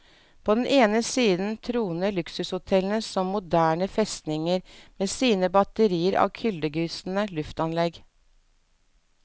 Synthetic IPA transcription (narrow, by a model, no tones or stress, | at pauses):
pʰoːd̪ɛnʔeːnəsiːd̪n̩t̪ʰɾuːnəlʉksʉshʊt̪ʰɛlnəsɔmːʊd̪æːɳəfɛst̪nɪŋəɾmeːsiːnəbɑt̪əɾiːəɾɑ̰ːʋkʰʏld̪əɡʉːsn̩əlʉft̪ɑnlɛɡ